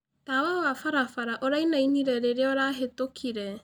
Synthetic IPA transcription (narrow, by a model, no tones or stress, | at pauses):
taːwawafaɾafaɾaʔoɾainainiɾɛɾeɾeɔɾaːɦetokʰiɾɛ